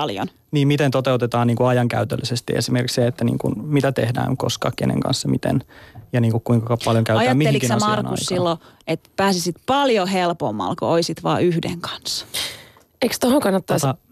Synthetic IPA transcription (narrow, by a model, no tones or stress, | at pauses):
ljo̰n | niːmmit̪ent̪ot̪eut̪et̪ɑːniːŋkuɑjɑŋkæ̰yt̪ø̰lːisest̪iḛsimerkikseet̪ːænḭːŋkṵnmit̪æt̪ehdæ̰ːŋko̰skɑ̰ːkkḛnḛŋkɑ̰nsːɑmit̪ḛnjɑniːŋkukkuiŋkɑkɑppɑljoŋkæyɑj̪æɑːmiːelikinsemɑrknɑṵssːilːoet̪pæːsisit̪pɑljohelpomːɑ̰lkooisit̪ʋɑ̰ːyhdḛŋkɑ̥nsːɑ̥ | eikst̪ohoŋkɑnːɑt̪ːɑsɑ